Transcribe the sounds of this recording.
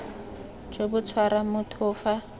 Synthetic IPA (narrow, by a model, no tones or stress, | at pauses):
d͡ʒobʊt͡sʰwaɾamʊtʰʊːfa